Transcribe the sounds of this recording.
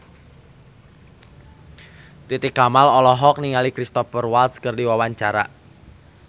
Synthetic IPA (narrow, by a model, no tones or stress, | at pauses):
t̪it̪ikamalɔlɔɦɔk̚niŋalikɾist̪ɔfərwalt̪skərdiwawaɲt͡ʃaɾa̰